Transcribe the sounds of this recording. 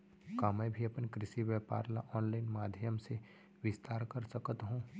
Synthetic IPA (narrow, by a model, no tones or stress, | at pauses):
kaːmɛ̃ːbʱiɐpnkɾɪʃiʋjɛːpa̰ːɾlaʔɔːnlaːɪnmaːd̪ʱjəmse | ʋɪst̪aːɾkɐɾsəkət̪ɦũː